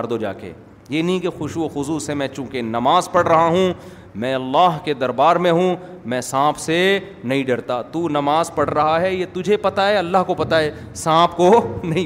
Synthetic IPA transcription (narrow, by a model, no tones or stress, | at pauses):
ɾd̪od͡ʒa̰ːkḛː | jeːnɐɦĩkexʊʃuoxʊzusemɛ̃ːt͡ʃũːkenɐmaːzpɐɽɾɐɦaɦũː | mɛ̃ːɐlːaːɦked̪ɐɾbaːɾmẽɦũ | mɛ̃ːsãːpʰse | nɐɦĩɖɐɽt̪at̪uːnɐmaːzpɐɽ̤ɾɐɦaɦɛjet̪ʊd͡ʒʱepɐt̪aeɐlːaɦkopɐt̪aeː | sãːpʰkonɐɦĩ